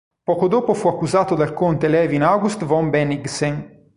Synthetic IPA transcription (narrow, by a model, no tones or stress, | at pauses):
pɔkod̪oːpofuakːuzaːt̪od̪alkont̪elɛːvinaɡust̪vɔmbɛniɡseŋ